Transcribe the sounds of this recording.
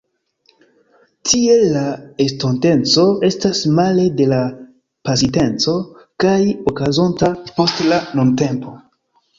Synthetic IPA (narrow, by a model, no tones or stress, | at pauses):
tie̞lːaestonte̞nt͡so̞e̞stasmale̞de̞la | pasite̞nt͡so̞ | kajokazo̞ntapo̞stlanonte̞mpo̞